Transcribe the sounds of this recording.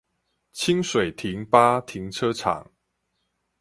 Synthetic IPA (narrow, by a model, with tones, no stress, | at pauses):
t͡ɕʰi˦˥ŋswe˨˩ɪt̪ʰi˨˦˥ŋpa˦˥t̪ʰi˨˦ŋt͡sʰɤ˦˥t͡sʰa̰˨˩˦ŋ